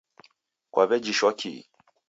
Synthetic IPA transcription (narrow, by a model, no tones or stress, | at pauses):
kwaβɛd͡ʒiʃwɔkʰḭ